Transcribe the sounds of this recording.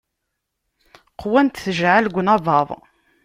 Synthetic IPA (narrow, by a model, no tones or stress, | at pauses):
qʰwænt̪θəʒʕalɡʷnɑvɑðˤ